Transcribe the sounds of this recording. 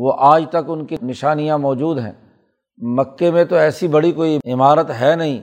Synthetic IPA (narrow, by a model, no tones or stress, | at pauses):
ʋoʔaːd͡ʒt̪ɐkʊnkinɪʃaːnijãmɔːd͡ʒuːd̪ɦɛ̰̃ː | mɐkːemẽt̪oɛːsibɐɽikoːiɪmaːɾət̪ɦɛːnɐɦĩː